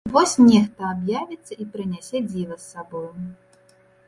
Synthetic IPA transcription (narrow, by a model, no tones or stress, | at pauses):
vɔsʲnʲɛxt̪ɐabjavʲit̪sːɐipɾɨnʲasʲɛd͡zʲivɐsːabɔju